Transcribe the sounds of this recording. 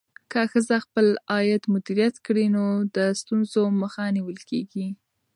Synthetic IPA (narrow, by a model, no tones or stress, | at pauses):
kəxəzaxpəlɑjɪd̪mʊd̪iɾijat̪kɽinod̪əst̪unzoməxaniwəlkeɡi